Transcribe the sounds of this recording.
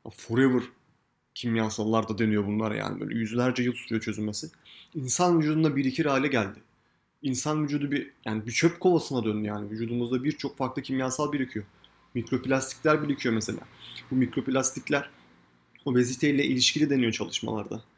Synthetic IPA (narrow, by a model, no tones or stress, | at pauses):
a̰fuɾevɯɾ̥ | cʰimjasalˠːaɾd̪ad̪e̞nijo̞bunlˠa̰ɾa̰ja̰ːnibø̰ːlʲɛ̰jyzlʲæɾd͡ʒɛjɯlˠsu̥t͡ʃʰujot͡ʃʰø̞zynme̞siinsanvyd͡ʒuːd̪und̪abiɾicʰiɾaːlʲɛɟælʲd̪ɪ | insanvyd͡ʒuːd̪ubijaːnibit͡ʃʰøpkʰo̞lˠasɯnad̪ønd̪yjaːnivyd͡ʒuːd̪umuzd̪abiɾt͡ʃʰo̞kfaɾklˠɯcʰimjasalˠbilʲicʰijo̞ | mikɾo̞pilʲast̪ʰi̥clʲæɾbilʲicʰijo̞mese̞lʲa̰ːbumicɾo̞pʰilʲast̪ʰiclʲæɾ̥ | obe̞zit̪ʰe̞jilʲɛʔilʲiʃcilʲid̪enijo̞t͡ʃʰalˠɯʃma̰lˠa̰ɾd̪a